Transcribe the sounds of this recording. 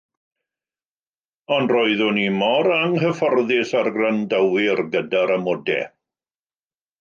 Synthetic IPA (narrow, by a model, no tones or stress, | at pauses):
ɔndroɨðʊnimɔɾaŋɦəfɔrðɪsarɡrandəwɪrɡədaɾamɔdɛ̰